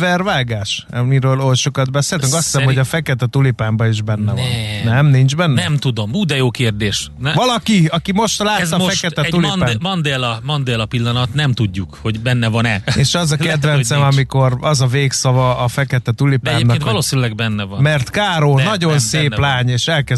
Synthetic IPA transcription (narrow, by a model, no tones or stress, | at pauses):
vɛrvaːɡaːʃmiɾøːlolʃo̞kɒd̪̚bɛseːlt̪yŋkɒsːi̥sɛmho̞ɟɒfɛkɛt̪ɛt̪ulipaːmbɒiʒbɛnːɛvɒ̰nnɛmnind͡ʒbɛnːnɛmt̪ud̪omuːd̪ɛjoːkeːrd̪eːʃvɒlɒkiɒkimo̞ʃt̪laːt̪ːɒffɛkɛt̪ɛuliaːmɒnd̪eːlɒmɒnd̪eːlɒpilːɒnɒt̪nɛmt̪uɟːukho̞ɟbɛnːɛvɒnɛeːʃɒzɒkɛd̪vɛnsɛnɒmiko̞rɒzɒveːksɒvɒːfɛkɛt̪ɛt̪ulipd̪aɛːemnɒent̪vɒloːsinylɛɡ̚bɛnːɛvɒnmɛrt̪kaːɾoːnɒɟo̞nseːplaːɲeːʃɛlkɛ